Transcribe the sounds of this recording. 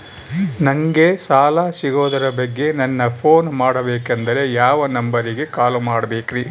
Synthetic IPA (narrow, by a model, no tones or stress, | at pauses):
nɐŋɡe̞saːlasiɡoːd̪ɐɾɐbɐɡːe̞nɐnːɐpʰoːnmaːɽɐbeːkend̪ɐɾe̞jaːʋɐnɐmbɐɾiɡe̞kaːlumaːɽɐbeːkɾiː